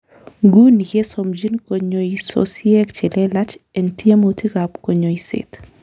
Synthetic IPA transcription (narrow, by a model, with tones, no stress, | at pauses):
ɡu˦ni˨ke˦somd͡ʒi˦nko˨ɲoiso̰siɛ˦kt͡ʃe˨lɛla˦t͡ʃɛ˨nti˦e˦moti˦kapko˨ɲo˨isɪ̰t